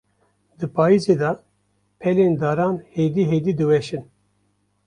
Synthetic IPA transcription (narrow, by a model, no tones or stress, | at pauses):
d̪ɨpʰaːizeːd̪ɑ | pʰɛleːnd̪ɑːɾɑːnheːd̪iːɦeːd̪iːd̪ɨwɛʃɨn